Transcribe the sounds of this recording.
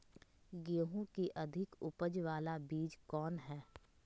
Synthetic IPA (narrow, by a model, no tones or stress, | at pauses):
ɡeːɦõkiʔɐd̪ʱɪkʊpəd͡ʒʋaːlabiːd͡ʒkɔːnɦɛː